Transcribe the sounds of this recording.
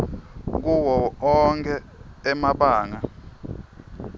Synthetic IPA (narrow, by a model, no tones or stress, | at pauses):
k̬uwɔɔŋkʰɛ | ɛmaɓaːŋa